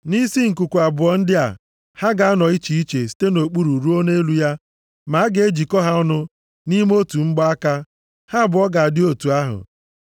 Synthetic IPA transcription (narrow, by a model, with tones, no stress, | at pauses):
ni˦si˦ŋ̩˨ku˨kʷu˨a˨bʊ˨ɔ˨n̩˦dɪ˦a̰˨ | ha˦ɡa˨a˦nɔ˨i˦t͡ʃi˨i˦t͡ʃe˨si̥˦te˦no˨k͡pu˦ɾu˨ɾu˦o˦ne˦lu˦ja˦ | ma˨˦a˦ɡe˨e˦d͡ʒi˨kɔ˦ɦa˦ɔ˦nʊ˦ | ni˦m˦o˦tu˨ŋ͡m̩˦ɡ͡ba˦a˦ka˦ | ha˦˨bʊ˨ɔ˦ɡa˨a˨dɪ˦o˦tu˨a˦ɦʊ̰˨